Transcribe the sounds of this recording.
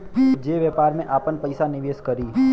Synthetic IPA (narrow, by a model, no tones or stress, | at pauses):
d͡ʒeːʋɛpaːɾmẽʔaːpənpəɪsanɪʋeːskəɾiː